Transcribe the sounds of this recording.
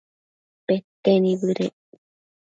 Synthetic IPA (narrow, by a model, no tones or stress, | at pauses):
pet̪enĩβɨɾeʔ